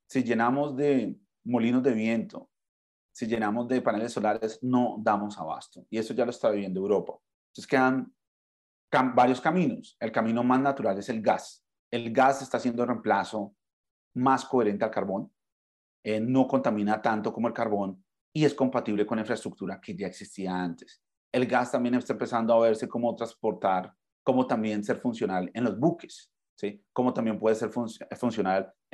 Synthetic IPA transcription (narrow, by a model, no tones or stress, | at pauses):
siʝe̞namo̞zd̪e̞ | mo̞linozd̪e̞βje̞nt̪o̞ | siʝe̞namo̞zd̪e̞pane̞le̞sːo̞laɾesno̞d̪amo̞saβa̰st̪oie̞soʝaloest̪aβiβjend̪oewɾo̞pḁ | eskeðan | kabaɾjo̞skamĩno̞se̞lkamĩno̞maznat̪uɾale̞se̞lɡas | e̞lɡase̞st̪asje̞nd̪oremplaso̞ | masko̞e̞ɾe̞nt̪e̞alkaɾβo̞n | eno̞ko̞nt̪amĩnat̪ant̪o̞komoe̞lkaɾβo̞n | ie̞sko̞mpat̪iβle̞konlaĩɱfɾaest̪ɾuk̚t̪uɾake̞ʝae̞ksist̪iaant̪e̥s | e̞lɡast̪ambje̞nest̪aempe̞sand̪oaβ̞e̞ɾse̞ko̞mo̞t̪ɾaspo̞ɾt̪aɾ | ko̞mo̞t̪ambje̞nse̞ɾfunsjo̞nale̞nlo̞zbuke̞s | siko̞mo̞t̪ambje̞mpwe̞ðese̞ɾfufunsjo̞nal